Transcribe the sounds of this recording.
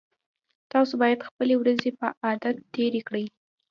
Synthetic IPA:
t̪ɑsobɑjad̪xpəlewɾazepəʔɑd̪at̪ːeɾekɽəj

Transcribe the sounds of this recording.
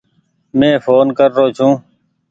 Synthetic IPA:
mẽːfoːnkəɾːoːt͡ʃʰũː

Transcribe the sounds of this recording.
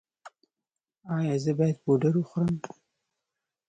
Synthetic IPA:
ɑjɑzəbɑjad̪̚boɖəɾwəxɾəm

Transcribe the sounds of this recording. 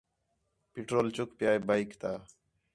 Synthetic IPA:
pɪʈɾoːlt͡ʃʊkpjaːjbaːikt̪aː

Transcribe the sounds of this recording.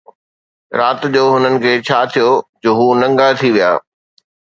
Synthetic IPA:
ɾaːt̪d͡ʑoːɦʊnənɪ̆kʰeːt͡ɕʰaːt̪ʰijod͡ʑoːɦuːnɐ̃ŋɡat̪ʰiʋija̰ː

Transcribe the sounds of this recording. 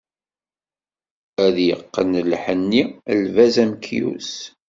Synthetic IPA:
æðjə̰qːənlħənːilvæzæmkʰjṵs

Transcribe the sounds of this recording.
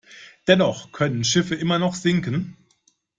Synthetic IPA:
d̥ɛnɔχkʰœnənʃɪfəʔɪmɐnɔχz̥ɪŋkən̩

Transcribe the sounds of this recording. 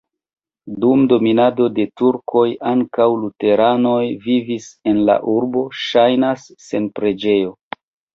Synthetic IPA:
dumdo̞minado̞de̞tuɾkʰo̞jaŋkawlute̞ɾano̞jvivise̞nla̰ʔuɾbo̞ʃajnasːe̞npɾe̞d͡ʒe̞jo̞

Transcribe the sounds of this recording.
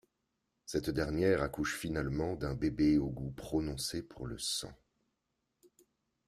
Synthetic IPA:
sɛt̪d̪ɛʁnjɛʁakuʃfinalmɑ̃d̪ɛ̃bebeoɡupχɔnɔ̃sepʰuʁləsɑ̰̃

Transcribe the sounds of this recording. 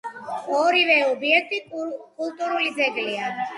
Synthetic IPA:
ɔɾivɛɔbiɛk̚ʰt̪ʼikʼult̪ʼuɾulid̪zɛɡlia

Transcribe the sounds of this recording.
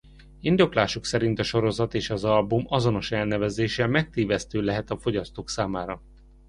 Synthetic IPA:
ind̪o̞klaːʃuksɛɾint̪ɒʃo̞ɾo̞zɒt̪eːʃɒzɒlbumɒzo̞no̞ʃɛlnɛvɛzeːʃɛlmɛk̚t̪eːvɛst̪øːlɛɦɛt̪ɒfo̞ɟɒst̪oːksaːmaːɾɒ

